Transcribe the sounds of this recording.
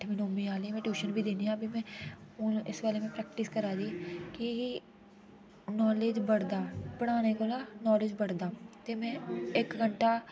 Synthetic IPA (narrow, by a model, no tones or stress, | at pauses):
ʈʰmɪnoːmĩːaːlĩmɛ̃ːʈjuːʃənbʱiːd̪eːniːãːbimɛ̃ːʊnɪsbaːleːmẽːpɾɛːkʈɪskəɾaːd͡ʒiːki | nɔːleːd͡ʒbəɽd̪aːpəɽ̃aːneːkoːlaːnɔːlɪːd͡ʒbəɽd̪aːt̪eːmɛ̃ːɪkɡəɳʈaː